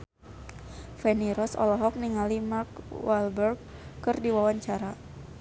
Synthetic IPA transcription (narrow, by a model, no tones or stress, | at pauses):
fɛniɾɔsɔ̰lɔɦɔk̚niŋalimarkwalbɛrɡːɨrdiwawaɲt͡ʃaɾa